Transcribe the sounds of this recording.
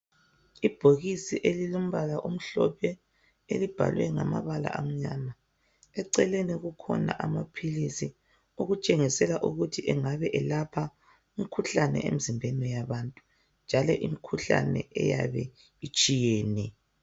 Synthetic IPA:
ib̥ʱoɣisiʔelilom̩βalaʔum̩ɬɔpʰɛ | elib̥ʱa̰lwɛŋa̰ma̰βala̰ʔam̩ɲama | ɛǀɛleniɣukʰɔ̰na̰ʔamapʰilisi | uɣut͡ʃʼeŋisɛlaʔuɣutʰiʔɛŋaβɛʔɛlapʰa | umikʰuɬanɛ̰ʔḛm̩zimbʱɛnɛjaβantʼu̥ | nd͡ʒʱalɔʔimikʰuɬa̰nɛ̰ʔɛ̰jaβɛ | it͡ʃʼijeːnɛ

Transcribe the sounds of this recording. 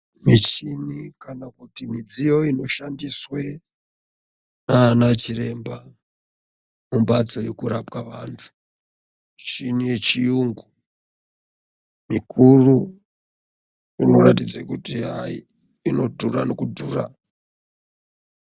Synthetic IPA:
mit͡ʃinikanakutimid͡zijo̞ino̞ʃandiswe | naːnat͡ʃire̞mba | mumbad͡zojekuɾapkaʋaːntʰu̥ | t͡ʃinijet͡ʃijuŋɡu | mikʰuru | ino̞ratid͡zakutia | ino̞dʱurano̞kudʱuːra̰

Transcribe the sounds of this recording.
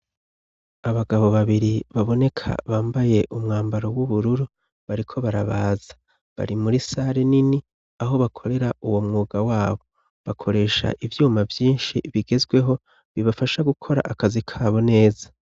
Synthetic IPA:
aβaɡaβo̞βaβiɾiβaβo̞ne̞kʰa̰βaːmbaje̞ʔumŋaːmbaɾo̞wuβuɾuɾu | βaɾikʰo̞βaɾaβaːzḁ | βa̰ɾimuɾisaɾenini | aɦo̞βakʰo̞ɾe̞ɾaʔuwo̞mŋuːɡawaːβo̞ | βakʰo̞ɾe̞ːʃa̰ʔivjuːmavjiːnʃiβiɡe̞zɡwe̞ɦo̞ | βiβafaʃaɡukʰo̞ɾa̰ʔakazikʰaːβo̞ne̞ːzḁ

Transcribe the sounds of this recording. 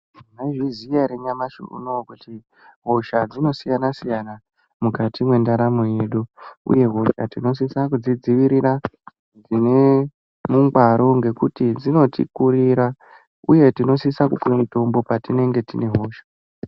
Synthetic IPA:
naʐizijaɾeɲamaʃṵṵnokuti | ɦo̞ʃad͡zino̞sijanasijana | mukatimwe̞ndaɾamoje̞ɗuṵje̞ɦo̞ʃa̰tino̞s̬isakud͡zid͡ziʋiɾira | d͡zine̞ | muŋɡwaɾo̞ŋɡe̞kutid͡zino̞tḭkuriɾa | uje̞tino̞sisakukuemito̞mbo̞patine̞ŋɡe̞tine̞ɦo̞ːʃḁ

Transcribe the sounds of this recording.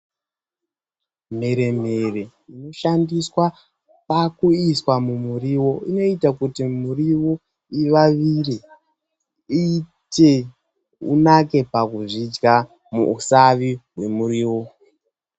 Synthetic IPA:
m̤e̞ɾe̞m̤e̞re̞ | ino̞ʃandiswa | pakuiswamumuriwo̞ino̞itakutimuriwo | iʋaʋiri | ite̞ | ṵnake̞pakuʐid͡ʒɡa | mṵusaʋiɦwe̞muɾiːwo

